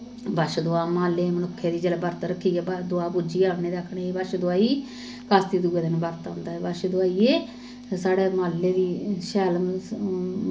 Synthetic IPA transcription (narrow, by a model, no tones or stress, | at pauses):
bəʃd̪ʊaːmaːlːeːmənʊkʰːeːd̪iːd͡ʒəlːbəɾt̪ɾəkʰːiːɛbəd̪ʊaːpuːd͡ʒiːaːʋneːd̪eəkʰɽeːeːbəʃd̪ʊaːiː | kaːst̪iːd̪uːeːd̪ɪnbəɾt̪ɦʊ̃nd̪aːɛːbəʃd̪ʊaːiːeː | saːɽeːmaːlːeːd̪iːʃɛːl